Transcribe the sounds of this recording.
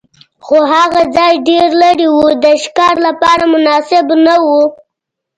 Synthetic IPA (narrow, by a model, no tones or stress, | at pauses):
xoɦaɣad͡zɑjɖeɾlaɽiwud̪əʃkɑɾlapɑɾamʊnɑsɪbnawu